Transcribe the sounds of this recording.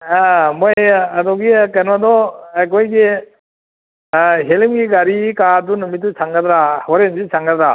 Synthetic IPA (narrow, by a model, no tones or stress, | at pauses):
amɔjadɔɡikanwadɔakɔjɡe | ɦelimɡiɡaɾikaɾdunumit̚ːusʰaŋɡadɾahɔɾenzisʰaŋɡadɾa